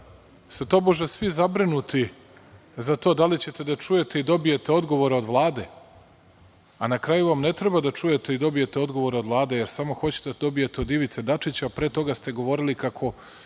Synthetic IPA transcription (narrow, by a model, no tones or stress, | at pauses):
st̪et̪o̞ːboʒesʋizabɾinut̪i | zat̪o̞ːd̪alit͡ɕe̞t̪e̞d̪at͡ʂuje̞t̪e̞id̪o̞bije̞t̪e̞o̞d̪ɡo̞ʋo̞ɾeod̪ʋlˠaːd̪e̞ | anakɾajuʋamne̞t̪ɾebad̪at͡ʂuje̞t̪e̞id̪o̞bije̞t̪eo̞d̪ɡo̞ʋo̞ɾeo̞d̪vlˠaːd̪e̞jeɾsamo̞xo̞t͡ɕe̥t̪ed̪o̞bijet̪eod̪iʋit̪se̞d̪at͡ʂit͡ɕapɾeːt̪o̞ɡast̪e̞ɡo̞ʋo̞ɾilikakʰo̞